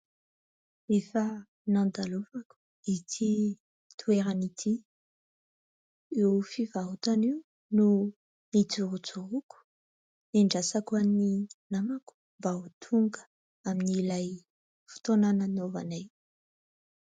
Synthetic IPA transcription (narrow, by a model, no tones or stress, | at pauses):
efa | nãnd̪aluvaku̥ | it̪ʰi | t̪ʰueɾanit̪ʰi | ewfivaɦut̪aniu | nu | nit͡suɾut͡suɾuku̥ | niɳɖ͡ʐasakuaninamaku̥mbaut̪ʰuŋɡə̥ | aminilaj | fu̥t̪onananova̰naj